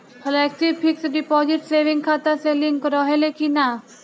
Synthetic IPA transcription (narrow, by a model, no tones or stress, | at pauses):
həlɛːksipʰɪksɖɪpɔːzɪʈseːʋɪ̃ŋɡkʰaːt̪aselɪ̃ŋkɾɔːɦelekina